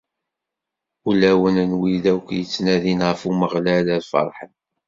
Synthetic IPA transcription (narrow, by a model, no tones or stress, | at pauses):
ulæwənənwiðækʷːjət͡sːnæðinʁəfuməʁlælæðfɑ̰ɾˤħən